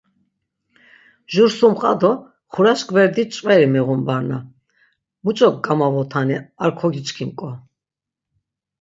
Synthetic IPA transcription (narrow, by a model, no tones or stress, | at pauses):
ʒuɾsumχʼad̪ɔ | χuɾaʃkʰʼvɛɾd̪it͡ʃʼvɛɾimɛʁumbaɾna | mut͡ʃʼɔk̚ɡamavɔt̪ʰaniaɾkʰɔɡit͡ʃkʰimkʼɔ